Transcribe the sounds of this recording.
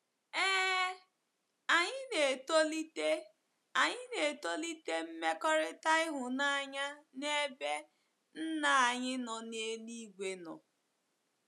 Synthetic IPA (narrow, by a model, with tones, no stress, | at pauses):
eː˦ | a˨ɲɪ˦ne˨to˦li˦te˦ | a˨ɲɪ˦ne˨to˦li˦te˦m̩˦me˦kɔ˦ɾɪ˦ta˦ɪ˦ɦʊ˨na˦ɲa˦ne˦be˦ | n̩˦na˨a˨ɲɪ˦nɔ˨ne˦li˦ɡʷe˨nɔ̰˨